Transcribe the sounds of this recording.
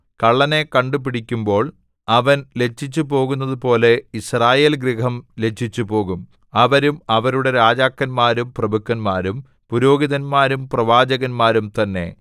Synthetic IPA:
kɐɭːɐne̞kɐɳɖupiɽikʲːumbo̞ːɭ | ɐʋɐnle̞t͡ɕʰːit͡ɕːupo̞ːɣunːɐðupo̞ːle̞israːje̞ːlɡrihɐmle̞t͡ɕʰːit͡ɕːupo̞ːɣum | ɐʋɐɾumɐʋɐɾuɽe̞ɾaːd͡ʑaːkːɐnmaːɾumprɐbukːɐnmaːɾum | puɾo̞ːɡiðɐnmaːɾumprɐʋaːd͡ʑɐɣɐnmaːɾumt̪ɐnːe̞̰

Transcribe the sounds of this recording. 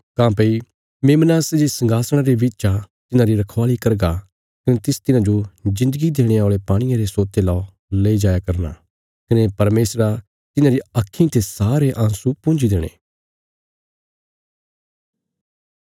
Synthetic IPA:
kãːpei | meːmnaːsd͡ʒesɐ̃ŋɡaːsɽ̃aɾeʋɪt͡ʃa | t̪ɪnãɾiɾɐkʰʋaːlikɐɾɡa | kɐnet̪ɪst̪ɪnãd͡ʒod͡ʒɪ̃nd̪əɡid̪eːɽ̃ẽaːɭepaːɽ̃ɪjãɾesoːt̪ːelɔː | leid͡ʒaːjakɐɾna̰ | kɐnepɐɾmeːsɾa | t̪ɪnãɾiɐkʰːĩt̪ʰesaːɾeʔãːsupʊ̃ːnd͡ʒid̪eːɽ̃ḛː

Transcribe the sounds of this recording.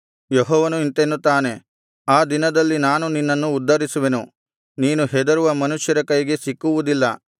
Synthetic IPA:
jɔɦɔːʋɐnuint̪enːut̪aːne̞ | aːd̪inɐd̪ɐlːinaːnuninːɐnːuːd̪ːɐɾisuʋe̞nu | niːnuɦɛd̪ɐɾuʋɐmɐnuʃjɐɾɐkɐjɡe̞sikːuʋud̪ilːɐ

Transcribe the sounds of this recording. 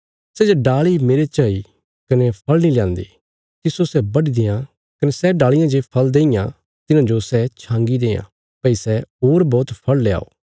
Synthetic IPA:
sɛd͡ʒoɖaːɭimeːɾet͡ʃaːi | kɐnɛpʰɐlniljãːnd̪ḭ | t̪ɪsosɛbɐɽid̪ɪ̃jã | kɐnɛsɛɖaːɭɪjãd͡ʒepʰɐld̪ẽːɪjã̰ | t̪ɪnãd͡ʒosɛt͡ʃʰãːŋɡid̪ẽːã̰ | pɐisɛɦoːɾbɔːt̪pʰɐɭlea̰ːo̰ː

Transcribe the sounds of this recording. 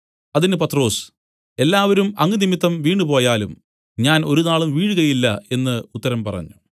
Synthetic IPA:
ɐðinɨpɐt̪ro̞ːs | e̞lːaːʋɐɾumɐŋːɨnimit̪ːɐmʋiːɳɖupo̞ːjaːlṵm | ɲaːno̞ɾunaːɭumʋiːɻuɣɐjilːɐe̞nːɨut̪ːɐɾɐmpɐrɐ̰ɲːu

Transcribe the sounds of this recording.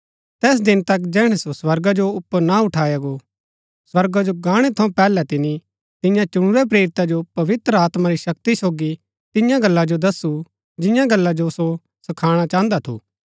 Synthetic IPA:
t̪ɛːs̬d̪ɪnt̪ɐkd͡ʒɛːɽ̃ɛsoswɐɾɡad͡ʒoʊpːənaʊʈʰaːjaɡo | swɐɾɡad͡ʒoɡãːɽ̃et̪ʰɐũpɛːlɛt̪ɪni | t̪ɪ̃jãt͡ʃʊɽ̃ʊɾep̬ɾeːɾɪt̪ad͡ʒopɐʋɪt̪ɾəaːt̪maɾiʃɐk̚t̪isoːɡi | t̪ɪjãɡɐlːad͡ʒod̪ɐsu | td͡ʒɪ̃jãɡɐlːad͡ʒoso | sɐkʰaːɽ̃at͡ʃãːnd̪at̪ʰṵː

